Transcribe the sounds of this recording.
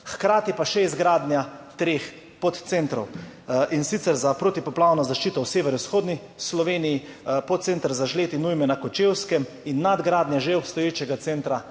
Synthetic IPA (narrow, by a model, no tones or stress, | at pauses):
xkɾaːt̪ipaʃɛizɡɾaːd̪njat̪ɾex | pot̪t̪sent̪ɾɔwinsit̪sɛɾzapɾot̪ipɔplawnɔzaʃt͡ʃiːt̪ɔwseːʋɛɾwsxoːd̪ni | slɔʋeːnijipɔt̪t̪sent̪ɾzaʒleːt̪inujmɛnakɔt͡ʃewskɛm | inːad̪ɡɾaːd̪njaʒeɔpst̪ɔjeːt͡ʃɛɡat̪sent̪ɾa